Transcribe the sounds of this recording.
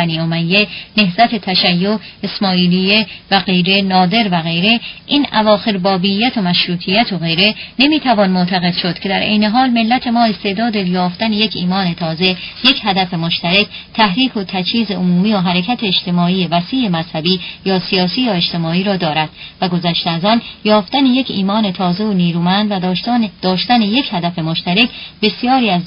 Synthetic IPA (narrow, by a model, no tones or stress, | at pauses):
æniːomæjːene̞hzæt̪ʰe̞t̪ʰæʃæjːoesmɒːiːlijevæɣe̞jɾenɒːd̪e̞ɾvæɣe̞jɾe̞ʔiːnævɒːxe̞ɾbɒːbijːæt̪ʰo̞mæʃɾuːt̪ʰijæt̪ʰoɣe̞jɾe̞ne̞miːt̪ʰævɒːnmot̪ʰæɣe̞d̪ʃo̞d̪̥cʰe̞d̪æɾʔḛjne̞ɦɒːlme̞lːæt̪ʰe̞mɒːe̞st̪e̞ːʔd̪ɒːd̪ejɒːft̪æneje̞cʰiːmɒːne̞t̪ʰɒːze̞je̞cʰhæd̪æfe̞moʃt̪æɾect̪ʰæhɾiːkʰo̞t̪ʰæt͡ʃʰhiːze̞ʔomuːmiːoɦæɾecʰæt̪ʰe̞ːʃt̪e̞mɒːiːjevæsiːe̞mæzhæbiːjɒːsijɒːsiːjɒːed͡ʒt̪ʰe̞mɒːiːɾɒːd̪ɒːɾæd̪̥̚væɡo̞zæʃt̪eæzɒːnjɒːft̪æneje̞cʰiːmɒːne̞t̪ʰɒːze̞oniːɾuːmænd̪væd̪̥ɒːʃt̪æneje̞cʰhæd̪æfe̞mo̞ʃt̪æɾecʰbe̞sijɒːɾiːæz